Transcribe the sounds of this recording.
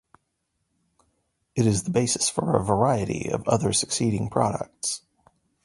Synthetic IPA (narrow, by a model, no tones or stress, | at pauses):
ɨɾɨzðəbeɪsɨ̥sfə˞ə̰və˞aɪɨɾḭʌ̰vʌðə˞sɨksiɾɪ̃ŋpʰɹ̥ɑ̰ɾə̰k̚ts